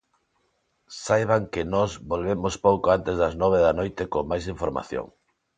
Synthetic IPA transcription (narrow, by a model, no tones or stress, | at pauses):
sajβ̞aŋkɪnɔzbolβemospowkoant̪ezðɐznɔβ̞eðanojt̪ɪkoŋmajsiɱfoɾma̰θjo̰ŋ